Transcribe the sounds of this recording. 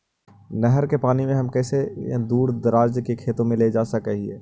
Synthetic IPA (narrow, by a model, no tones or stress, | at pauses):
nɛɦəɾkepaːnimẽɦɐmkɛːsḛ̃d̪uːɾd̪əɾaːd͡ʒkekʰeːt̪õmẽled͡ʒaːsɐkeɦiɛː